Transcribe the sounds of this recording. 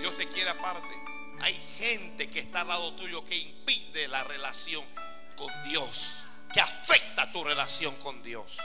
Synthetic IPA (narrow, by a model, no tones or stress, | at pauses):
jo̞st̪ekjeɾapaɾt̪e | a̰jxe̞nt̪e̞keːst̪alaðo̞t̪uʝo̞ke̞impiðe̞lare̞lasjo̞ŋ | kond̪jos | keafe̞k̚t̪at̪ure̞lasjo̞ŋko̞nd̪jo̞s